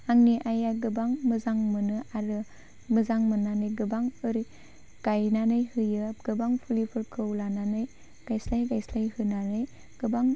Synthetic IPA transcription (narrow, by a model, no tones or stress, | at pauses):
aŋniʔajaɡɯbaŋmɯzaŋmɯnɯʔaɾɯ | mɯzaŋmɯnanɯjɡɯbaŋɯɾi | ɡ̥ajnanɯjhɯjɯp̚ɡ̥ɯbaŋpʰulipʰɯɾkʰɯwlananɯj | ɡ̥ajslajɡajslajhɯnanɯj | ɡ̥ɯbaŋ